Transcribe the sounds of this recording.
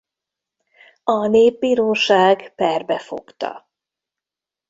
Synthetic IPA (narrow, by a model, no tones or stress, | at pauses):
ɒneːb̚ːiːɾoːʃaːɡpɛrbɛfo̞̰kt̪ɒ̰